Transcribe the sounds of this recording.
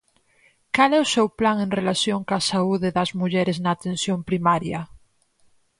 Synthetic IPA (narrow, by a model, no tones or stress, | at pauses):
kalɛʊsewplaŋẽnrelaθjoŋkasauðeðɐzmuʎɛɾeznaːt̪ẽnsjõmpɾimaɾja